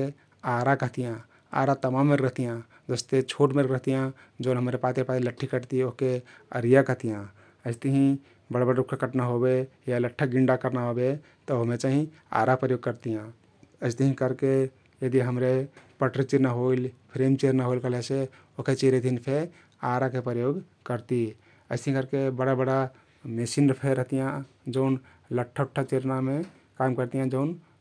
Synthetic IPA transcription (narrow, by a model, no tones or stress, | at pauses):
e | aɾakəɦt̪ijã | a̰ɾat̪əmamːeɾɾəɦt̪ijã | d͡ʒəst̪et͡ʃʰoʈmeɾɾəɦt̪ijã | d͡ʒoːnɦəmɾepat̪epailəʈʰːikəʈt̪ioɦkeəɾijakəɦt̪ijã | əɪst̪əɦĩ | bəɽbəɽɾukʰakəʈnaɦobejaləʈʰːəɡiɳɖakəɾnaɦobe | t̪ɔoɦmet͡ʃaɦĩ | a̰ɾapɾəjoɡ̚kəɾt̪ijã | əɪst̪ʰəɦĩkəɾke | jəd̪iɦəmɾepəʈɾit͡ʃeɾnaɦoilpʰɾemt͡ʃeɾnaɦoilkəɦlese | oket͡ʃeɾed̪ʱinpʰe | aɾakepɾəjoɡ | kəɾt̪i | əɪst̪əɦĩkəɾkebəɽabəɽa | mesinɾpʰeɾəɦt̪ijã | d͡ʒəʊn | ləʈʰːəʈʰːət͡ʃeɾname | kamkəɾt̪ijãd͡ʒəʊn